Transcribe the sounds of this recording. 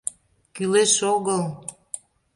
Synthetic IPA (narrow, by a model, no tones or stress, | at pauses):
kyleʃoɣəl